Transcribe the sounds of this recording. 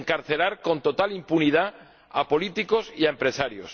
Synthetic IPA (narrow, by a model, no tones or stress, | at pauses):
ŋkaɾθe̞laɾko̞nt̪o̞t̪alimpunið̞a | apo̞lit̪iko̞siaempɾe̞saɾjo̰s